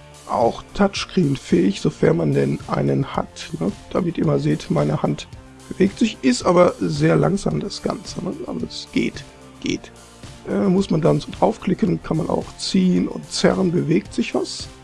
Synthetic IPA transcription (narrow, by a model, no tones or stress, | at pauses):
ʔaʊxtʰat͡ʃkʁ̥iːnfɛːɪçz̥ofɛɐnmandɛnʔa̰ɪnənha̰tnəd̥amɪtiːɐmanzeːtmaɪnəhant | b̥əveːk̚tz̥ɪçʔɪstʔaːbɐzeːɐla̰ŋza̰ːmdasɡ̥a̰nt͡sənəʔa̰zoɛsɡ̥ḛːt | ɡ̥ḛːt | ʔɛːmʊsmandanzʊtʔaʊfkl̥ɪkənkʰanmana̰ʊxt͡siːənʊ̰ntt͡sɛ̰ʁənbəveːk̚tz̥ɪçv̥a̰s